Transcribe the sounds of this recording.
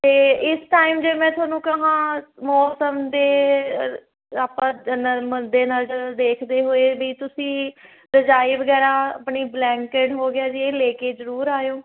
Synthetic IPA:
t̪eːɪsʈaːimd͡ʒeːmɛ̃ːt̪ʰʊaːnũːkəɦãːmɔːsəmd̪eː | aːpãːənəməd̪eːnəd͡ʒəɾd̪eːkʰd̪eːɦoːeːbiːt̪ʊsĩː | d̪əd͡ʒaːiːʋəɡɛːɾãːəpɳiːblɛ̃ːŋkeːʈɦoːɡɪjaːd͡ʒieːleːkeːzəɾuːɾaːjõː

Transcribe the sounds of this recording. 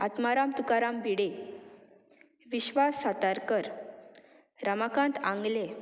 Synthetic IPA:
at̪maɾamt̪ukaɾambiɽe | ʋiɕʋasːat̪aɾkəɾ | ɾəmakʰãnt̪ãŋɡle

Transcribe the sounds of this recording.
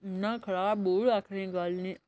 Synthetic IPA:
nãːkʰəɽaːboːɽaːkʰɾẽːɡaːlnẽː

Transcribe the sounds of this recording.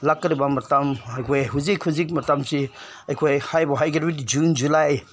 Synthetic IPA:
lakːɾibamɐtamajkʰojɦuzikhuzik̬̚mɐtamsi | ɐjkʰojhajbɔɦajɡeɾɾitid͡ʒund͡ʒulaj

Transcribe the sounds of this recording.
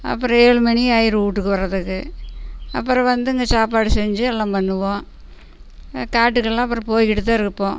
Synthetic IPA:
ɐ̰pːɯɾɔ̃eːɭɯmɐɳiaːjɪɾɯuːʈːɯkːɯʋɐɾɐðɯkːɯ | ɐ̰pːɯɾɔ̃ʋɐnd̪ɯɪŋɡɐsaːpaːɽɯsɛɲd͡ʒɯɛlːãːmpɐnːɯʋõː | kaːʈ̬ːɯkɐɭlãːɐp̬ːɯɾɐ̃poːjkɪʈɯt̪ːaːɪɾɯkːɯpːõː

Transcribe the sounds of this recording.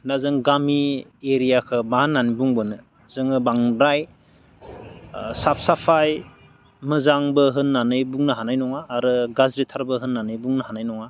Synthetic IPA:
nazɯŋɡamieɾijakʰɯbahanːanibuŋbɯnɯ | zɯŋɯbaŋbɾaj | sap̚ʰsapʰaj | mɯzaŋbɯɦɯnːanɯjbuŋnɯɦanajnɔŋaːɾɯɡazɾitʰaɾbɯɦɯnːanɯjbuŋnɯhanajnɔŋa

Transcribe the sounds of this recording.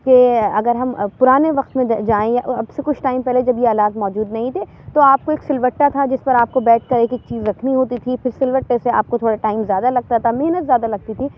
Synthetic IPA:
keɐɡəɾɦɐmpʊɾaːneʋɐqt̪mẽd͡ʒaːẽjaʔɐbsekʊt͡ʃʰʈaːɪmpɛɦled͡ʒɐbjeaːlaːt̪mɔːd͡ʒuːd̪nɐɦĩt̪ʰe | t̪oaːp̚koeːksɪlʋəʈːat̪ʰad͡ʒɪspɐɾaːp̚kobɛːʈ̚ʰkɐɾeːkeːk̚t͡ʃiːzɾɐkʰniɦoːt̪it̪ʰifɪɾsɪlʋəʈːesea̰ːp̚kot̪ʰoːɽaʈaːɪmzjaːd̪alɐɡ̚t̪at̪ʰameɦnət̪zʲjaːd̪alɐɡ̚t̪it̪ʰiː

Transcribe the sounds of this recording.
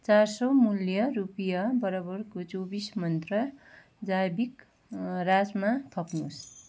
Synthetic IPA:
t͡sarsʌmuljʌrupjʌbʌɾʌbʌrkot͡sobismʌnt̪rʌ | d͡zajbik | rasmat̪ʰʌpnus

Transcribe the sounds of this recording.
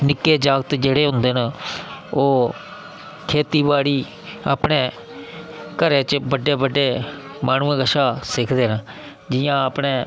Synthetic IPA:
nɪkːeːd͡ʒaːɡət̪d͡ʒeːɽeːɦʊ̃nd̪eːn | oː | kʰeːt̪iːbaːɽiː | a̰ːpɽeː | kəɾẽːt͡ʃbəɖeːbəɖeː | maːnũːẽːɡəʃaːsɪkʰd̪eːn | d͡ʒɪjãːaːpɳeː

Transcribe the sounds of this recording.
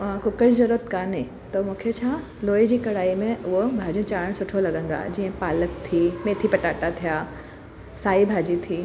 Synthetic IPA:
kʊkəd͡ʑzɐɾuət̪kaːne | t̪omũːkʰet͡ɕʰãː | loːed͡ʑiːkɐɽaːimẽʊɦobʱaːd͡ʑiũt͡ɕaːɽ̃sʊʈʰolɐɡə̃nd̪a̰ːd͡ʑiːə̃paːlək̚t̪ʰiːmẽːt̪ʰipɐʈaːʈat̪ʰijaː | saːibʱaːd͡ʑit̪ʰiː

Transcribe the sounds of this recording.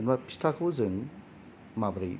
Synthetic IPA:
nbapʰi̥stʰakʰɯwzɯŋ | mabɾɯj

